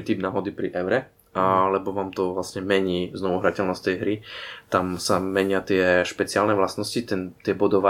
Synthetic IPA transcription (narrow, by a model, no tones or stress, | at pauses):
it̪iːbnaɦɔd̪ipɾḭʔɛʊɾɛ | alɛbɔʋaːmt̪ɔʋlasɲɛmɛɲiːznɔʋuɦɾacɛlnɔst̪ɛjɦɾit̪amsamɛɲɪat̪ɪɛʃpɛt͡sɪaːlnɛʋlasnɔscit̪ɛnt̪ɪɛbɔd̪ɔʋa